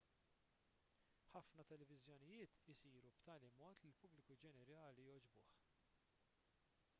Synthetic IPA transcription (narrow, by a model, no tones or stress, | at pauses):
ħɐfnɐt̪ɛlɛvɪzjɔnɪjɪːt̪ɪsiːɾupt̪ɐːlimɔːt̪lɪlpʊblɪkud͡ʒɛnɛɾɐːlijɔd͡ʒbʊːħ